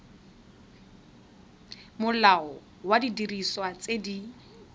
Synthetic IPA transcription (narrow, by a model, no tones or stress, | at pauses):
mʊlaɔ | wadidiriswat͡sedi